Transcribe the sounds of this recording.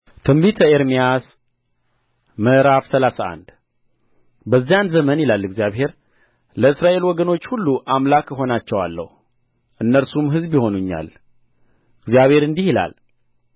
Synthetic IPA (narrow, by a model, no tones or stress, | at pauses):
t̪ʰɨmbit̪ʰəeɾmijas | məʔɾafsəlasaa̰nd̪ | bəzːijanzəmənjilalːɨɡzijaβhe̞ɾ | ləɨsɾaʔe̞lwɔɡəno̞t͡ʃːhulːuʔamlakəɦo̞nat͡ʃːɛwa̰lːə̰hu | ʔɨnːəɾsumɦɨzbjɪho̞nuɲːa̰l | ɨɡzijaβhe̞ɾɨnd̪ihila̰l